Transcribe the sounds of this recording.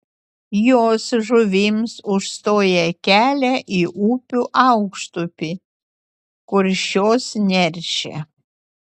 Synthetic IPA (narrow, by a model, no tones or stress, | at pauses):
joːsʒʊʋʲɪmsʊʃst̪oːjɛkʲæːlʲɛʔiʔuːpʲuʔɑʊkʃt̪ʊpʲɪ | kʊɾʲʃʲoːsnʲɛɾʲʃʲɛ̰